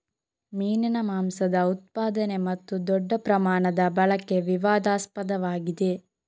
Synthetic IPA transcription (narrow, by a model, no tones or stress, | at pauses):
miːnɐnɐmaːmsɐd̪ɐut̪̚paːd̪ɐne̞mɐt̪ːud̪ɔɖːɐpɾɐmaːɳɐd̪ɐbɐɭɐkːe̞ʋiʋaːd̪aːspɐd̪ɐʋaːɡid̪e̞